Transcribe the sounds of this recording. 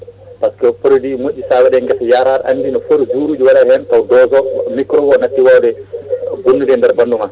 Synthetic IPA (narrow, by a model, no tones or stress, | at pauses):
paskɛpoɾodimoʔʲːisawɛɗɛŋɡɛtjaːɾaɾʔa̰nːdinɔfoɾzuːɾuːd͡ʒuwaɗahɛntawdɔzɔmikɾɔɡɔnatːiwawdɛbunːudɛndɛɾbanduma